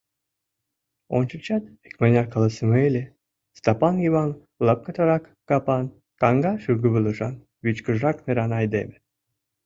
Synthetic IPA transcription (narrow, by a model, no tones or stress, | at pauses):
o̰nt͡ɕə̆kt͡ɕɑt̪ekmɑnʲɑrkɑlˠɑsəmelʲe | st̪ɑpɑnjiβɑn | ləp̚kə̆t̪ɑɾɑkːɑpɑn | kɑŋɡɑʃyɡə̆βə̆lə̆ʒɑn | βit͡ɕkə̆ʒɾɑkneɾɑnɑjd̪ḛmĕ̥